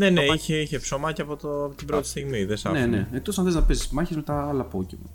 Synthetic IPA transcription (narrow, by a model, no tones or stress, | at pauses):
ne̞ne̞içeiçepsomɐciɐpo̞t̪opot̪ibɾo̞t̪i̥st̪iɣmiðesɐ̰neneet̪osɐnθeznɐpesismɐçezme̞t̪ɐɐlɐpo̞cḛmɐ̰